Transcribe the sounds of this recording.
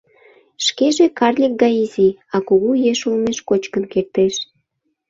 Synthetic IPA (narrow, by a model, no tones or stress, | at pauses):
ʃkeʒekɑrlʲik̚ɡɑiziɑkuɣujeʃulmeʃkot͡ɕkənkert̪eʃ